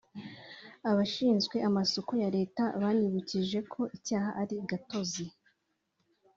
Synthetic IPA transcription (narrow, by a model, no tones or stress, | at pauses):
aβaʃiːnzɡwe̞ʔamasokojaɾe̞ːtaβaɲiβuciʒe̞kʰo̞ʔicaːɦaʔaɾiɡato̞zi